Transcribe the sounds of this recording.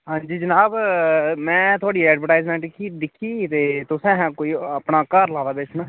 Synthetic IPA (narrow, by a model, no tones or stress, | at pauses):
ɦãːɲd͡ʒiːd͡ʒənaːbmɛ̃ːt̪ʊaːɽiːɛːɖʋəɾʈaːɪzmɛ̃ːɳʈkʰːiːd̪ɪkʰːiːt̪eːt̪ʊsɛ̃ːɦɛ̃ːkoːiːəpnaːkəɾlaːd̪aːbeːt͡ʃʰʊnaː